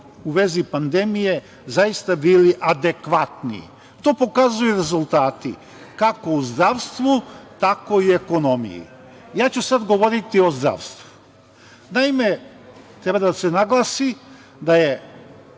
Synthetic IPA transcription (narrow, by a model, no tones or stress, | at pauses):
uʋe̞zipand̪e̞mije̞ | zajist̪abiliʔad̪e̞kʋat̪nḭ | t̪o̞ːpo̞kazujuɾe̞zulˠt̪aːt̪i | kako̞uzd̪ɾaʋst̪ʋut̪ako̞ie̞ko̞no̞mḭjḭ | jaːt͡ɕusad̪ɡo̞ʋo̞ɾit̪io̞zd̪ɾa̰ʋst̪ʋu̥ | naime̞ | t̪ɾebad̪asenaɡlˠasi | d̪aje